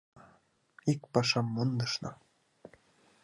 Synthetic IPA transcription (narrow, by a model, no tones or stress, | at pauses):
ik̚pɑʃɑmːund̪ɤ̆ʃnɤ̆